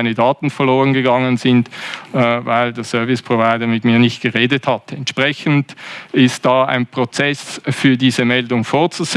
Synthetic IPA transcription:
ɪnədaːtn̩fɛɐloːʁənɡəɡɑŋənzɪntː | vaɪldeːɐsœɐvɪspʁ̥ovaɪdɐmɪtmiːɐnɪçt̚ɡ̥əʁeːdəthatɛntʃpʁɛçn̩dɪst̚d̥aːa̰ɪnpʁ̥ot͡sɛsfyːɐdiːzəmɛldʊŋfoːɐt͡suz̥

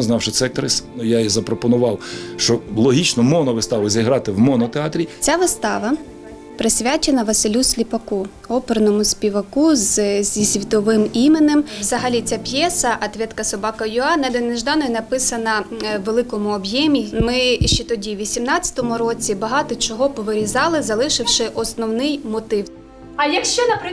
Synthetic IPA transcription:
znɑwʃɪt̪sɛk̚t̪ɾɪsnujaizɐpɾɔpɔnʊʋɑwʃt͡ʃɔlˠɔɦʲit͡ʃnɔmɔnɔʋɪst̪ɑʋɪzʲiɦɾɑt̪ɪwmɔnɔt̪eɑt̪ɾʲit͡sʲaʋɪst̪ɑʋɐ | pɾɪsʲʋʲat͡ʃenɐʋɐsɪlʲusʲlʲipɐku | ɔpeɾnɔmʊsʲpʲiʋɐkuzzʲisʲʋʲit̪ɔʋɪmimenemwzɐɦɐlʲit͡sʲapʲjɛsɐʔɐt̪ʋʲɛt̪kɐsɔbɑkɐjʊɑnɛd̪ɔneʒd̪ɑnɔjinɐpɪsɐnɐʋelˠɪkɔmʊɔbjɛmʲimɪʃt͡ʃɛt̪ɔdʲiʋʲisʲimnɑt͡sʲːɐ̥t̪ɔmʊɾɔt͡sʲibɐɦɑt̪ɔt͡ʃɔɦɔpɔʋɪɾʲizɑlˠɪzɐlˠɪʃɪwʃɪʔɔsnɔwnɪjmɔt̪ɪw | ɐjɐkʃt͡ʃɔnɐpɾɪ

